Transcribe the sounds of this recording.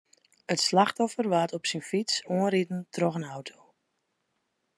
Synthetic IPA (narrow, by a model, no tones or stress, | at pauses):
ətslaxtɔfərʋaːtɔpsinfisoənɾitn̩tʰrɔxənawtʰoː